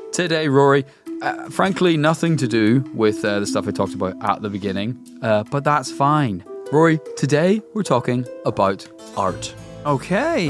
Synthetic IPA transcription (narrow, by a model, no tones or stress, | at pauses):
tʰɨdeɪɹɔɹi | ʌfɹãŋkʰlinʌθɪ̃ŋtʰədəwɪðʌðəstʌfaɪtʰɔk̚təbaʊtə̰ʔ̚ðəbɪɡɪ̃nɪ̃ŋ | ʌb̥ʌt̪̚ðatsfãɪ̃nɹɔɹitʰədeɪwɪɹtʰɔkɪ̃ŋəbaʊt | ɑ̰ɹtoʊkʰeɪ